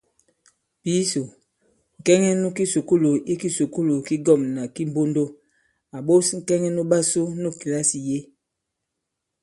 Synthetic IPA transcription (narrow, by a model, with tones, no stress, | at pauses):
pi˦so˨ | ŋ̩˨kɛ˦ŋɛ˦nu˦ki˦su˨ku˦lo˨ʔi˦ki˦su˨ku˦lo˨ki˦ɡɔ˦˨mna˨ki˦m˦bo˦ndo˦ | a˨ɓo˦sŋ̩˨kɛ˦ŋɛ˦nu˦ɓa˦˨so˦nu˦ki˨la˦si˨je˦